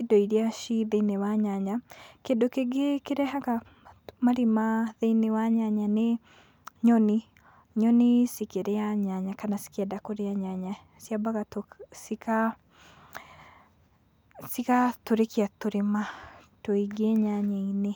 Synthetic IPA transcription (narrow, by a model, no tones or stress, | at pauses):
idɔiɾiaʃiðeinewaɲaɲakeːndokeɡekeɾɛhaka | maɾimaðeinewaɲaɲane | ɲɔni | ɲɔnisikeɾeaɲaɲakanasi̥kiadakoɾeaɲaɲa | sjabaɣatosika | sikatoɾekiatoɾematoiɡeɲaɲeine